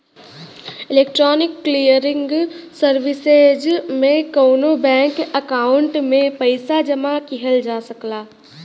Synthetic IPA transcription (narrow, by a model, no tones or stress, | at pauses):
ɪleːk̚ʈɾɔːnɪkːlijəɾɪ̃ŋɡsəɾʋɪsed͡ʒmẽkəʊnobɛ̃ːŋkəkaːʊɳʈmẽpəɪsad͡ʒəmakiɦəld͡ʒaːsəklaː